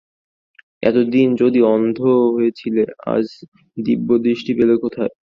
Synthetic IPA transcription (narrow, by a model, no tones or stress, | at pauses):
ɛ̰t̪od̪ind͡ʑod̪iɔnd̪ʱoɦojet͡ɕʰilea̰d͡ʑ | d̪ibːod̪iʃʈibelokot̪ʰae